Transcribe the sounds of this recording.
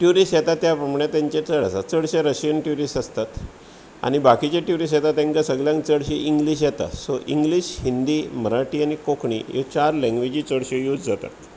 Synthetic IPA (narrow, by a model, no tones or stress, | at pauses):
ʈjuɾiːsjɛt̪at̪japəmɳet̪ãɲt͡ɕet͡səɽəsat͡səɽɕeɾəɕijənʈjuɾisəst̪at̪ | a̰ñibakit͡ɕeʈjuɾis̬jɛt̪at̪ẽŋkasəɡljãŋkt͡səɽɕeʔiŋɡliːɕjɛt̪a̰soʔiŋɡliɕhind̪iːməɾaʈiːanikokʰɳḭjo̰t͡ɕaɾlɛ̃ŋɡʋed͡ʑiːt͡səɽɕejud͡zd͡zat̪a̰t̪